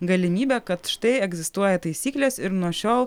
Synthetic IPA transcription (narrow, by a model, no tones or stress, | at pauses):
ɡɐlʲɪmʲiːbʲɛkɐt̪ʃt̪ɐɪɛɡzʲɪst̪uɔjɛt̪ɐɪsʲiːklʲeːsɪɾnuɔʃʲoːlˠ